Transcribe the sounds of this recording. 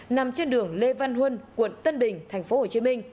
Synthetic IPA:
na˨˩mt͡ɕe˧nɗɨ˨˩əŋle˧va˧nɦwə˧nkwə̰˧˨nt̪ə˧nɓï˨˩ŋ̟t̪ʰa˨˩jŋ̟fo˨˦ho˨˩t͡ɕi˨˦mï˧ŋ̟

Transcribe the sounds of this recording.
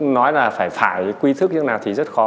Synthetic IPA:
nɔ˨˦jlaː˨˩faː˧˩jfaː˧˩jkwi˧t̪ʰk̚ɲɨ˧˦˥naː˨˩wt̪ʰi˨˩zə˦˥t̚xɔ˨˦

